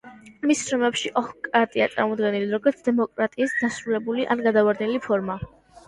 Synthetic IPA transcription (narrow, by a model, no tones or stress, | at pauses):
missɾɔmɛpʃiʔɔhkʼɾat̪ʼia̰t̪sʼa̰ɾmɔd̪ɡɛnilid̪ɾɔɡɔɾt̪sʰd̪ɛmɔkʼɾat̪ʼiːsd̪asɾulɛbuliʔa̰nɡad̪avaɾd̪nɛlipʰɔɾma